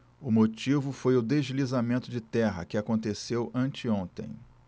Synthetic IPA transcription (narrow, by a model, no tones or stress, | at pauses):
ʊmot͡ʃivʊfojʊd̪eʒlizamẽnt̪ʊd͡ʒɪt̪ɛɦɐ̰kɪakõnt̪esewʔɐ̃nt͡ʃɪõnt̪ḛ̃j̃